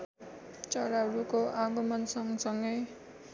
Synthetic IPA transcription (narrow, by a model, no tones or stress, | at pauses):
t͡sʌɾaɦʌɾukoʔaɡʌmʌnsʌŋsʌŋɡʌj